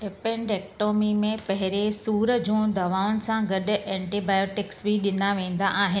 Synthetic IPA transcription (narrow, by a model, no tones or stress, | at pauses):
epẽɳɖeːkʈoːmimẽpɐɦɪɾesuːɾəd͡ʑũːd̪ɐʋaːʊnɪ̆sãɡɐɗ̆ʔɛ̃ːɳʈibaːjoːʈɪksbiɗɪnaʋẽːn̆d̪aʔaːɦɪn